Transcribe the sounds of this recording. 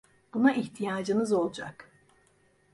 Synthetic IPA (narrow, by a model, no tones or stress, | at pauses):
b̥unaʔiçt̪ʰijaːd͡ʒɯnɯzo̞lˠd͡ʒa̰k